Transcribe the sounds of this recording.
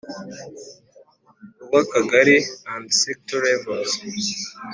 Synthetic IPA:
uwakaɡaɾiãndsɛk̚tɔɾɛvɔs

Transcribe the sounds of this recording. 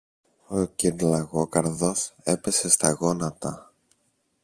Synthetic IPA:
ociɾlɐɣo̞kɐɾðo̞se̞pe̞se̞st̪ɐɣo̞nɐt̪ɐ

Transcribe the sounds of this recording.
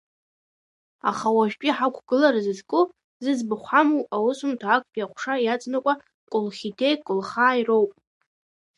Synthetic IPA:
a̰χawaʒᶣpʲʼiħakʷʰɡ̥ɨlaɾazɨzkʼɨ | zɨzbɨχʷħamuwawʊsʊmtʰaːk̚ʰʷʼpʰʼjaχʷʰʂajat͡sʼnakʷʼa | kʷʼʊlχʲitʰejkʷʼʊlχaːiro̞wpʼ

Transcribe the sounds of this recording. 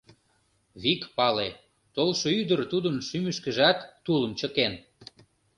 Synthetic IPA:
βikpɑle | t̪olʃoyd̪ərt̪ud̪ənʃymyʃkə̆ʒɑt̪ːuləmt͡ɕə̆ken

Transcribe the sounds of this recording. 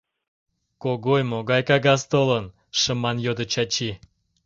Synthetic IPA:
koɡojmoɡɑjkɑɣɑst̪olən | ʃə̆mɑnjod̪ə̆t͡ɕɑt͡ɕi

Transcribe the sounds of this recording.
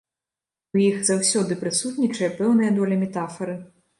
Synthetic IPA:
ujixz̥awsʲɔd̪ɨpɾɨsut̪nʲit͡ʂɐjɛpɛwnɨjɐd̪ɔlʲɐmʲɛt̪afɐɾɨ

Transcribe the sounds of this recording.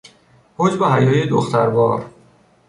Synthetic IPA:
hod͡ʒbeɦæjɒːjed̪oxt̪ʰæɾbɒ̰ːɾ

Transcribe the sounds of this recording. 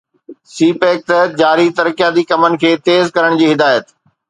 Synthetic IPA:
siːpeːk̚t̪əɦ̪̚d͡ʑaːɾit̪ɐɾkijad̪iːkɐmənɪ̆kʰeːt̪eːzkɐɾəɽ̃d͡ʑiːɦɪd̪aːjət̪

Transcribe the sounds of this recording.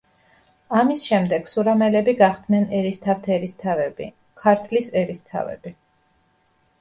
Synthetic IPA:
amisʃɛmd̪ɛɡ̥suɾamɛlɛbiɡaχd̪nɛnɛɾist̪ʰaft̪ʰɛɾist̪ʰavɛbḭ | kʰaɾt̪ʰlisɛɾist̪ʰa̰vɛ̰b̥i

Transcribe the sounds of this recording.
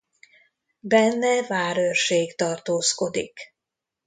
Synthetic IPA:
bɛnːɛvaːɾørʃeːɡt̪ɒrt̪oːsko̞d̪ḭk

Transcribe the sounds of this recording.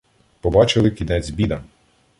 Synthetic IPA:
pɔbɑt͡ʃɪlˠɪkʲinɛt͡sʲbʲid̪ɐ

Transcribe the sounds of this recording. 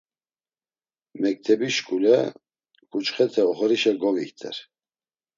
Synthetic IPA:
mɛk̚t̪ʰɛbiʃkʼulɛ | kʼut͡ʃχɛt̪ʰɛɔχɔɾiʃɛɡɔvikt̪ʰʼɛ̰ɾ

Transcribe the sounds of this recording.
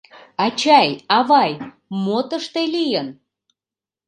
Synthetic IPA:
ɑt͡ɕɑjɑβɑj | mot̪əʃt̪elijən

